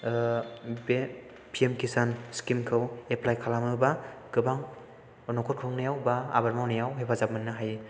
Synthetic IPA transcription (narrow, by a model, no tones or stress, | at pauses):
be | pʰiemkʰisanskimkʰɯweplajkʰalamɯbaɡ̥ɯbaŋ | ɔnokʰɔt̚kʰɯŋnajawbaa̰baɾmawnajawɦepʰazap̚mɯnːɯɦaj